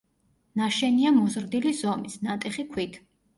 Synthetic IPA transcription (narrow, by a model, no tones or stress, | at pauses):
naʃɛniamɔzɾd̪ilizɔmisnat̪ʼɛχikʰwit̪ʰ